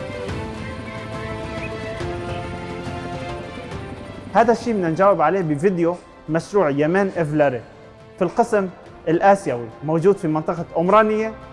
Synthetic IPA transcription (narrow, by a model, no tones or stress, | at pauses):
haːd̪aʃːiːmɪnːand͡ʒaːwɪbʕaleːbɪvɪd̪jo | maʃɾuːʕjamaːnʔɪvlaɾe | filqɪsm | ʔɪlʔaːsjawimowd͡ʒuːd̪fimɪnt̪ˤɨqɑʔʊmɾˤɑːnɪjːa